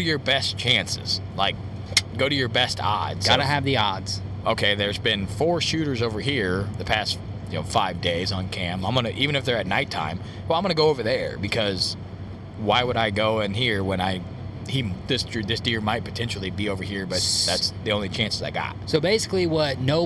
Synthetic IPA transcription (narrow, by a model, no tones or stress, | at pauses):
ʊɾɨjə˞bɛst͡ʃʰæ̃nsɪ̰z̥laɪk̚ | ɡ̥oʊɾɨjə˞bɛstʰɑ̰dz̥ɡ̥ɑɾɨɨvðiɑdz̥ | ʔoʊkʰeɪðə˞zbɪ̃nfɔɹʃʉɾə˞zoʊvə˞hiɹðɨpʰæst | jɨno̰ʊfaɪvdeɪzn̩kʰæ̃mãɪ̃mɡʌñɨʔivɨ̃ñɨfðə˞ɨtⁿnaɪtʰã̰ɪ̃m | wlãɪ̃mʌnəɡoʊoʊvə˞ðə̰˞bɨkʰʌz̥ | waɪwəɾaɪɡoʊɨ̃nɦiɹwə̃ñaɪ | hiðɪsðɪsd̥ɪɹmaɪt̚pʰɨtʰɛ̃nʃl̩ˠibioʊvə˞hiɹbʌt̪̚ðætsðiõʊ̃nlit͡ʃʰæ̃nsɨzaɪɡɑ̰t̚soʊbeɪsɨ̥kliwʌtⁿnoʊ